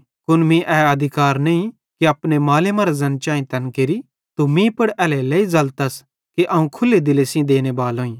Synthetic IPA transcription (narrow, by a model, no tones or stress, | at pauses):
kʊnmĩʔɛːɐd̪ʱɪkaːɾneĩ | kiɐpnemaːlemãɾazɐnt͡ʃaːĩt̪ɐnkeɾi | t̪umĩpɐɽɛːlɛleizɐlt̪ɐs | kiʔɐũkʰʊlːed̪ɪlesĩd̪eːnebaːlɦõːĩː